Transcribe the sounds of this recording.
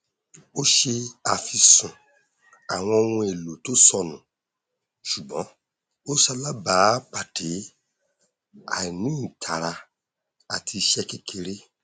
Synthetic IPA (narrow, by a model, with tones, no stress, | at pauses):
o˦ʃe˧a˨fi˧sũ˨ | a˨w̃ɔ̃˧o˧wũ˧e˨lo˨to˨˦sɔ˦˨nũ˨ | ʃu˨ɡ͡bɔ̰̃˨˦ | o˦sa˧la˦ba˨˦k͡pa˨tʰe˨˦ | a̰˨nĩ˨˦˨tʰa˨ɾa˧ | a˨tʰi˧ʃɛ˦ke˧ke˧ɾe˦